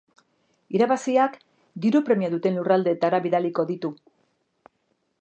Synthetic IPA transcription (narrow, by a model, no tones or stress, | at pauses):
iɾaβasiak | d̪iɾupɾe̞mijaðut̪e̞nlurald̪e̞t̪aɾaβiðaliko̞ðit̪u